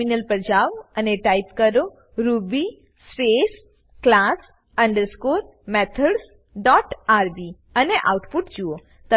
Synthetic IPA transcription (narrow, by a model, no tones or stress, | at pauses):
inəlpɾəd͡ʑaʋəneʈajpkəɾo | ɾubi | spes | klas | ə̃ɳɖəɾskoɾ | mɛt̪ʰəɽs | ɖɔʈaɾbi | əneʔa̰wuʈpuʈd͡ʑuo | t̪ə